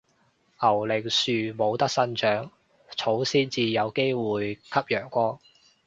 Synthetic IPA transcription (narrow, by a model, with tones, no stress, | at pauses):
ʔɐ˨˩wlɪ˨k̚syː˨˧mo˨˧wt̪ɐ˥k̚sɐ˥nt͡ʃœː˨˥ŋ | t͡sʰo˨˥wsiː˥nt͡siː˨jɐ˨˧wke˥jwuː˨jkʰɐ˥p̚jœː˨˩ŋkʷɔː˥ŋ